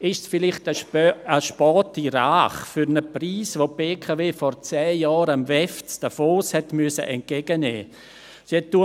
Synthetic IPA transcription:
ɪʃsfɪlɪχtəəʃpɑːtiɾaːχfyɾnəpriːsʋob̥eːkʰaveːfɔɾt͡sɛːjɑːɾəmvɛft͡sd̥əfoːshɛtmyəsə̰ʔɛnt̚kɛɡ̥ənɛː | siɛtːuə

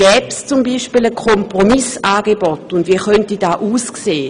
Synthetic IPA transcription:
ɡ̥ɛːpst͡sumbiːʃpiːləkʰɔmpromisaːɡ̥ebɔtʊndʋiːxœntid̥aːʔuːskseː

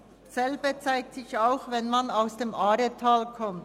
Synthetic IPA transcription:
sɛlbət͡saɪk̚tt͡sɪçaʊxvɛnmanaʊsd̥eːmaːɾətʰaːlkʰɔmt

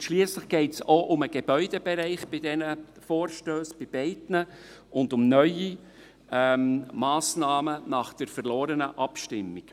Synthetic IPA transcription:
ʃliːəsləχɡ̥ɛɪtsoʔʊməɡ̥eb̥œʏd̥ɛbɛɾɛɪχb̥ɪdɛnə | fɔːɾʃtøːsb̥ɪb̥ɛɪdnə | ʊndʊmnœʏi | mmɑːsnɑːmənɑχd̥əɾfəɾlɔːɾənəʔɑpʃtɪmːik

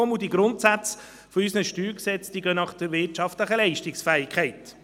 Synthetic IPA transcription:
ɔmudiɡɾʊntsæt͡s | foysnəʃtyːɾksɛt͡sd̥iːɡœnɑχd̥əɾʋɪtʃɑft̪ləχəlɛɪʃtɪksfæːɪkʰɛɪt

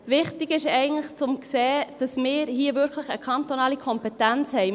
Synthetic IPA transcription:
ʋɪχtɪɡɪʃɛɪɡən̩tləχt͡sʊmkseːd̥ɑsmɪːɾɦiəvʏɾkʰləχəkʰɑnt̪onɑːlikʰɔmpetænt͡shɛɪ

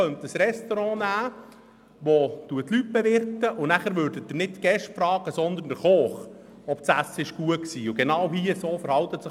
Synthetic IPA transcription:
œnt̪əsɾɛst̪ɔɾɑ̃næː | ʋot̪uət̪lyt̚bɛʋɪɾt̪əʔʊnæχəɾʋøːɾdət̪ːənɪttɡ̥ɛʃtfɾɑːɡ̥əsɔnd̪əndəχoːχ | ɔpt͡sæsːɪʃɡ̥uəksiːʊɡ̥enɑwɦiəsoːfəɾhɑwt̪ətsɪ

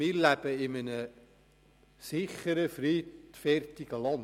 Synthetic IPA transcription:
ilæbəɪmənə | sɪχəɾəfritfɛrtiɡəlɑn

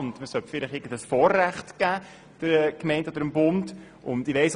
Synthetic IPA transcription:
ʊndməsœtfɪlɪχɪɡən̩dəsfɔːrːæχtɡ̥æː | d̥əɾɛkmɛɪndɔd̥̪əɾəmbʊnd | ʔʊ̰nd̥ɪʋɛɪs

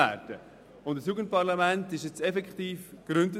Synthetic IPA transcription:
æ̰ːɾdə | ʊndəsjuɡənt̚pɑɾlamæntɪʃjɛt͡sɛfɛkχtiːfɡ̥ɾʏndə

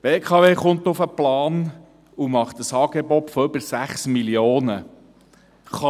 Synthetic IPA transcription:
b̥eːkʰɑveːχʊnt̪ʊfəplɑːn | umɑχt̪əsɑːɡ̥ebɔtfɔʏbəɾsæχsmiljoːnə | χɑ

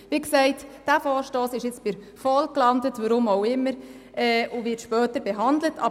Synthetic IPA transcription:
ʋiːksɛɪtd̥æfɔːɾʃtoːsɪʃɪt͡sb̥ɪɾ | fɔlklɑndətʋəɾʊmoʊɪmːəɾ | ɛːʊʋɪtʃpœːtəɾbɛɦɑndlətʰɑ̰

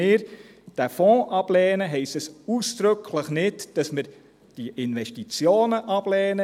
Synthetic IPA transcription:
ɪːɾ | d̥æfɔ̃ːʔɑb̥lɛːnəɦɛɪstəsuːsd̥ɾʏkʰləχnɪtd̥ɑsməɾ | d̥iʔɪnʋɛʃtit͡sjoːnəʔɑb̥lɛːnə

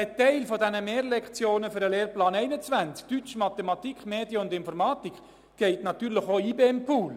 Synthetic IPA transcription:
ətɛɪlfɔdɛnəmeːɾlɛkt͡sjoːnəfʏɾəleːrplɑːnɛɪnət͡sʋænt͡sk̚tyt͡ʃmɑt̪ɛmɑt̪ikχmeːdjəʊndɪnfɔɾmɑːtikχ | ɡ̥ɛɪtnɑt̪yːɾlɪχoiːbempʰuːl

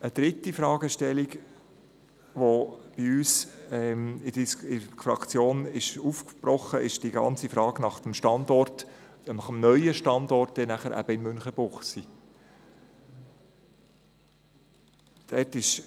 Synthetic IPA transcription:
əd̪̥ɾɪtːifɾɑːɡ̥əʃtɛlik | ʋob̥iyːsɛmɪdisɪfɾɑ̰kt͡sjoːnɪʃufkb̥ɾɔχəʔɪʃd̥iɡɑ̰nt͡sifɾɑːɡ̥nɑχtəmʃtɑnd̪ɔrt | nɑχəmnœʏəʃtɑnd̪ɔrt̚d̥ɛnæχəɾʔæ̰b̥əɪnmʏnχəb̥ʊχsi | d̥ɛtɪʃ

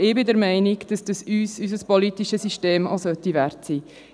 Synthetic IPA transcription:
ɪːbɪdɛɾmɛɪnɪɡd̥ɑsd̥ɑsyːsysəspɔlitiʃəsyʃteːmo̰sœtiʋɛɾtsiː

